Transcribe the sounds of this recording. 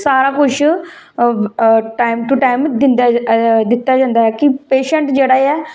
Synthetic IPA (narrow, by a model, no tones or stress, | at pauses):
saːɾaːkʊt͡ʃʰ | ʈaːɪmʈuʈaːɪmd̪ɪnd̪ad̪ɪt̪ːaːd͡ʒãːnd̪aːɛːkɪpeːʃəɳʈd͡ʒeːɽaːiɛː